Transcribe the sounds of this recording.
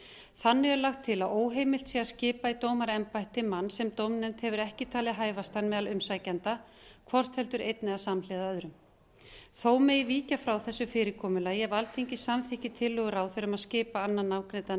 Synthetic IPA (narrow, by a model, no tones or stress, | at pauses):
θanːɛʏlaxt̪ʰːɪlaðoːwɦejmɪlt̪siːɣascɪːpait̪oːwmaɾɛmpajht̪ɪmanːsɛmt̪owmnɛnt̪hɛvʏɾɛhcɪt̪ʰaːlɪðɦaːjvast̪anmɛðalʏmsajcant̪a | kʰvɔr̥t̪hɛlt̪ʏɾejt̪nɪaðsamlɛːðaœðɾʏm | θoːwmeːjviːcafɾawθɛsːʏfɪːɾɪkʰɔːmʏlajɛvalt̪ʰeɲcɪsamθɪhcɪt̪ʰɪlːʏɣʏɾawθɛɾʏmaðscɪːpaanːanːawkɾɛt̪a